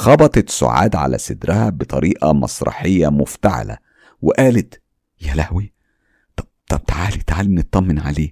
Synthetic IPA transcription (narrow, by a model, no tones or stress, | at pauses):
xɑbɑt̪ˤɑt̪sʊ̰ʕa̰ːd̪ʕa̰læ̰sed̪ɾɪhæbet̪ˤɑɾiːʔɑmɑ̰sˤɾˤɑ̰ħejːæmʊft̪aʕa̰læ̰ | wɪʔæːlet̪ | jælæhwi | t̪ˤɑbt̪ˤɑb̚t̪aʕaːlit̪aʕaːlmnet̪ˤːɑmːenʕa̰leː